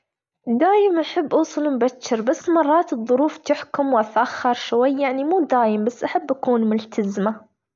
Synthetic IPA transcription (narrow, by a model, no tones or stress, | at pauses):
d̪aːjɪmʔaħabːʔuːsˤɨlmbat͡ʃːɪɾbasːmɑrˤːɑːt̪ɨðˤːʊɾuːft̪ɪħkʊmwʔaθʔaxːɑɾˤʃwajːaʕnimuːd̪aːjɪmbasːʔaħabːʔakuːnmʊlt̪ʰazma